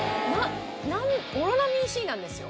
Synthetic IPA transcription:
nã | nãnoɾanamʲĩːɕiːnãnd̪e̞sɨjo̰

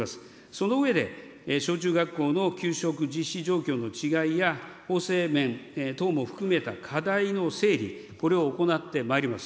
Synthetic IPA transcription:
asɨ̥ | so̞no̞ɯ̟e̞d̪e̞̰ | ɕo̞ːt͡ɕɨːɡakːo̞ːno̞kʲɨːɕo̞kɯ̟d͡ʑiɕːiʑo̞ːkʲo̞ːno̞t͡ɕiɡaijaho̞ːse̞ːmẽ̞nt̪o̞ːmo̞ɸɯ̟̥kɯ̟me̞t̪akʰad̪aino̞se̞ːɾʲḭko̞ɾe̞oːko̞nat̪ːe̞maeɾʲimasɨ̥

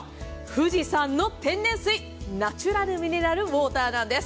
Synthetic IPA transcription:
ɸɯ̟ʑisãnːo̞t̪ẽ̞nd̪ẽ̞ɰ̃sɨi | nat͡ɕɨɾaɾɯ̟mʲineɾaɾɯ̟βo̞ːt̪aːnãnd̪e̞s

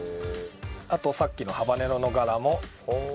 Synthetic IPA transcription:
at̪o̞sakʲːino̞habane̞ɾo̞no̞ɡaɾamo̞

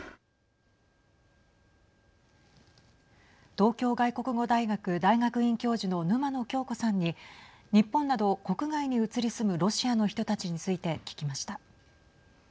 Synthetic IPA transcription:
t̪o̞ːkʲo̞ːɡaiko̞kɯ̟ɡo̞d̪aiɡakɯ̟d̪aiɡakɯ̟ĩŋkʲo̞ːʑino̞nɯ̟mano̞kʲo̞ːko̞sãɲ̟ːi | ɲ̟ipːõ̞nːad̪o̞ko̞kɯ̟ɡaiɲ̟iɯ̟t͡sɨɾʲisɨmɯ̟ɾo̞ɕiano̞çi̥t̪o̞t̪at͡ɕiɲ̟it͡sɨit̪e̞kʲi̥kʲimaɕi̥t̪a

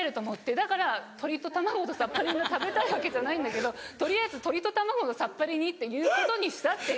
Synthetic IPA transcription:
eɾɯ̟t̪omoɯt̪ːe̞d̪akaɾat̪ʰo̞ɾʲit̪o̞t̪amaɡo̞d̪osapːaɾʲiɲat̪abe̞t̪aiβake̞ʑanaĩnd̪ake̞d̪o̞t̪o̞ɾʲijaizɨt̪o̞ɾʲit̪o̞t̪amaɡo̞d̪osapːaɾʲiɲ̟it̪ːe̞jɯ̟ːko̞t̪o̞ɲ̟iɕi̥t̪at̪ːe̞

